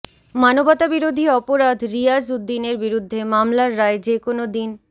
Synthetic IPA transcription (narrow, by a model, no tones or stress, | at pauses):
manobɔt̪abiɾod̪ʱiɔpoɾad̪ʱɾijad͡ʑud̪ːineɾbiɾud̪ʱːemamlaɾːaed͡ʑekonod̪in